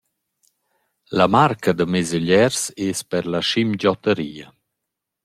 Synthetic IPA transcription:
lamaɾkad̪əmezəʎɛɾseːspɛɾlaʃimd͡ʒɔt̪əɾiːa

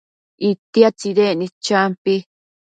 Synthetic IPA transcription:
ʔit̪iat͡ʃiðenĩt͡ʃampi

